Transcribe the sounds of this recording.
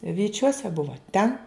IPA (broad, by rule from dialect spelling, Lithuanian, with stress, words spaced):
ʋʲiːˈt͡ʃʲuɔsʲɛ ˈbʊʋoː ˈtʲɛn